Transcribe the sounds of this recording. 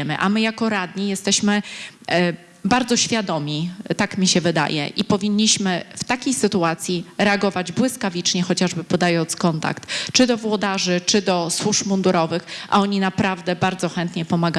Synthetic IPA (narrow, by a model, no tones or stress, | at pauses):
ɛmɘ̰ʔa̰mɘjakɔɾad̪ɲijɛst̪ɛɕmɘ | baɾd̪zɔɕfʲjad̪ɔmʲit̪akmʲiɕɛvɘd̪a̰jɛ̰ʔipɔvʲiɲʲːiɕmɘft̪akʲejsɘt̪uat̪sʲjiɾɛaɡɔvad͡ʑbwɘskavʲit͡ʂɲɛxɔt͡ɕaʐbɘpɔd̪ajɔnt̪skɔnt̪a̰kt̪t͡ʂɘd̪ɔvwɔd̪aʐɘt͡ʂɘd̪ɔswuʂmund̪uɾɔvɘxʔa̰ɔɲinapɾavd̪ɛbaɾd̪zɔxɛnt̪ɲɛpɔmaɡa